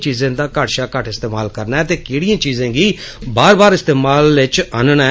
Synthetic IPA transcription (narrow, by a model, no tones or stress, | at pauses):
t͡ʃiːzẽːd̪aːkaːʈʃaːkəʈʰɪst̪eːmaːlkəɾnaɛt̪eːkɪːɽijãːt͡ʃiːzẽːɡiː | baːɾbaːɾɪst̪eːmaːlɪt͡ʃaːnnɛ